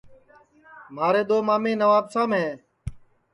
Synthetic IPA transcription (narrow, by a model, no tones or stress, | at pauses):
maːɾeːd̪oːmaːmẽːnəʋaːbsãːmɦɛ̃ː